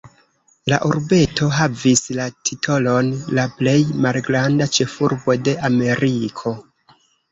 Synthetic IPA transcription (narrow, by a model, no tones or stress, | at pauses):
la̰ʔuɾbe̞to̞ɦavislatʰitʰo̞lo̞nlaple̞jmalɡɾandat͡ʃe̞fuɾbo̞de̞ʔame̞ɾikʰo̞